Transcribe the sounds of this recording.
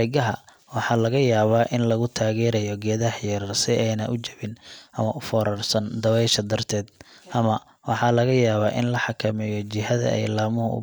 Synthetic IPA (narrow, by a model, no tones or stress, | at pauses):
ɪɣɐɦɐ | wɑħɑlɐɣɐjaːβaːʔɪnlɐɣʊt̪ʰaːɣɛːɾɐjɔɡɛːðɐhjɛɾrsɪʔɛjnɐʔʊt͡ʃɐβɪnʔɐmɐʔʊfɔːɾɔrsɐnd̪ɐwɛjʃɐd̪ɐrt̪ʰɛːd̪̚ʔɐmɐ | wɑħɑlɐɣɐjaːβaːʔɪ̰nlɐħɑkʰɐmɛjɔt͡ʃɪɦɐðɐ̰ɛ̰jlaːmʊɦʊʊ̰